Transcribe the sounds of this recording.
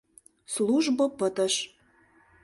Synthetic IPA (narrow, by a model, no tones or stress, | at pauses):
sluʒbopət̪ə̆ʃ